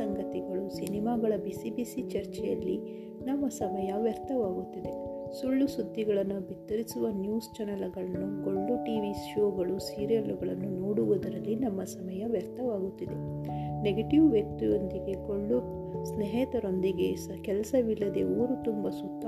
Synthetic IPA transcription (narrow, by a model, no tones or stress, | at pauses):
sɐŋɡɐt̪iɡɐɭusinimaːɡɐɭɐbisibisit͡ʃɐɾt͡ʃɛjɐlːi | nɐmːɐsɐmɐjɐʋjɐɾt̪ɐʋaːɡut̪ːid̪e̞ | suɭːusud̪ʱːiɡɐɭɐnːubit̪ːɐɾisuʋɐnjuːst͡ʃɛnɐlɐɡɐɭɐnːukoɭːuʈiːʋisʃoːɡɐɭusiːɾijɐluɡɐɭɐnːunoːɽuʋud̪ɐɾɐlːinɐmːɐsɐmɐjɐʋjɐɾt̪ɐʋaːɡut̪ːid̪e̞ | neɡɐʈiʋʋjɐk̚t̪ujond̪iɡe̞koɭːu | snɛɦɛːt̪ɐɾo̞nd̪iɡe̞ | kɛlɐsɐʋilːɐd̪e̞oːɾut̪umbɐsut̪ːa